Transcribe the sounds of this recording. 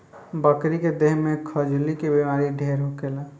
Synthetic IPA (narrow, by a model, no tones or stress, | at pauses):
bəkɾiked̪eɦmekʰəd͡ʒlikebimaɾiɖʱeɾɦokela